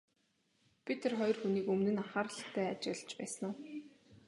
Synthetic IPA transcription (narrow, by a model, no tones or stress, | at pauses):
pʰit̪ʰerχɔj̆rxuniːkɵmnɘ̆naχaːɾə̆ɮ̆χt̪ʰæːat͡ɕɪ̆ɮt͡ɕpæːs̆nʊːw